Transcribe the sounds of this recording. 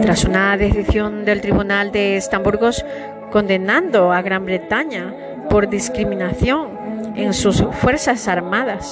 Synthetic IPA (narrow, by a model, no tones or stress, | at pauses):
t̪ɾasunaðe̞θiθjo̞nd̪e̞lt̪ɾiβunald̪e̞ːst̪ambuɾɣo̞s | kõ̞nd̪e̞nãnd̪o̞aɣɾambɾe̞t̪aɲa | po̞ɾðiskɾimĩnaθjo̞ŋ | eŋsusfwe̞ɾsasaɾmaðas